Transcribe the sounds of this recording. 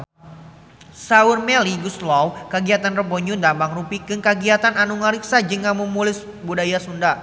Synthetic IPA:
saurmɛliɡuslɔwkəɡiat̪anrəbɔɲundambaŋrupikɨŋkaɡiat̪ananuŋaɾiksad͡ʒəŋaməmulɪs | budajasunda

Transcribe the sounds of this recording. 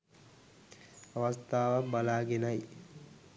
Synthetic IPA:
ɐʋɐst̪ʰaːʋabɐlaːɡenaj

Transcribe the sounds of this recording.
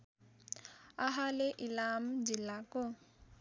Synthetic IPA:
aɦaleʔilamd͡ʒilakɔ

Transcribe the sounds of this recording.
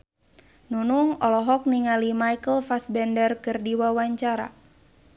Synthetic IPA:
nunuŋɔlɔɦɔk̚niŋalimajkəlfasbɛndərkɨrdiwawaɲt͡ʃaɾa̰

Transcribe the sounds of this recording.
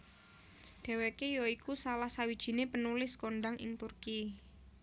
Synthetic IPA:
ɖ̪̥ɛ̤wekejɔikusalahsawid̥ʒ̥i̤nepənulɪskonɖaŋɪ̰ŋt̪urki

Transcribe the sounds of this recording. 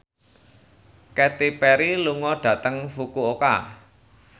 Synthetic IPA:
kɛt̪ipɛɾiluŋɔɖ̥ä̤t̪əŋfukuoka̰

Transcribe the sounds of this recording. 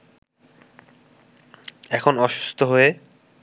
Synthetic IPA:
ɛkʰonɔʃu̥st̪ʰoɦoe

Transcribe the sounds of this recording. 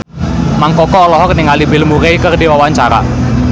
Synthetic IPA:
maŋkɔkɔːlɔɦɔknɪŋalibɪlmuɾejkərdiwawaɲt͡ʃaɾa̰

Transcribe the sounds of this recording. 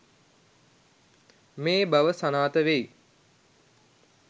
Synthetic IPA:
meːbaʋəsanaːt̪əʋej

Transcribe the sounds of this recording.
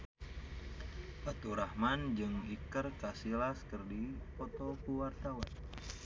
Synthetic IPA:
pat̪uɾahmand͡ʒɨŋikərkasilaskɨrdipɔt̪ɔkuwart̪awan

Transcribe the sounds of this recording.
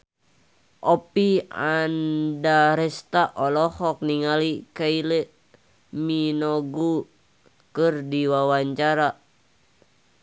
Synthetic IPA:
ʔɔpiandaɾɛst̪aʔɔlɔhɔk̚niŋalikailɛ | minɔɡu | kɨrdiwawaɲt͡ʃaɾa

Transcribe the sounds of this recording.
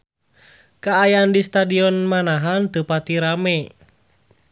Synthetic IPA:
kaːjandist̪adiɔnmanaɦant̪upat̪iɾamɛ

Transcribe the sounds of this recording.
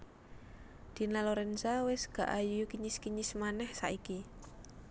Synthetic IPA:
d̪̥i̤naloɾɛnsawɪsɡ̥a̤ʔajuukiɲiskiɲismanɛhsaʔiki

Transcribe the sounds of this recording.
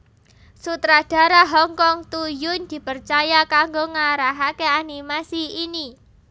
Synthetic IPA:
sut̪ɾad̥ä̤ɾaɦɔŋkɔŋt̪ujʊnd̪̥i̤pərt͡ʃajakaŋɡoŋaɾaɦakeanimasiini

